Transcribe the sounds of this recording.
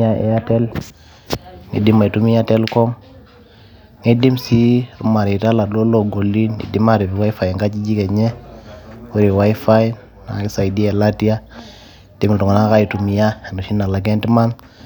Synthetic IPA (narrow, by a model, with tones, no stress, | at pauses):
a˦ḛ˦ja˦tɛ˦l | ŋḭ˨di˦ma˨i˨tu˦mi˦ja˦te˦lko˦m | ŋe˦di˦msi˦ɾṵ˦ma˨ɾi˨ta˦la˨do˦lo˨ɡo˨li˦nḭ˨di˦ma˦ɾi˨bi˨wa˦i˦fa˨ŋɡa˦t͡ʃi˦d͡ʒi˦ke˨ɲe˦ | wu˦ɾi˨wa˦jfa˦j | na̰˨ki˦sa˨i˨di˦e˨la˦ti˦ja˦˨ | di˦mi˨tu˨ŋ˨na˦ka˦i˨tu˨mi˨ja˦e˨no˨ʃi˦na˨la˨ɡ̬e˦nti˦ma˦n